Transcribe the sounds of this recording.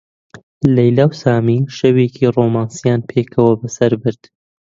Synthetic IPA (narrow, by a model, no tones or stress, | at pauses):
lɐjlaːwsaːmiʃɐwecʰiroːmaːnsijaːnpʰeːkʰɐwɐbɐsɐɾbɨɾd̪̥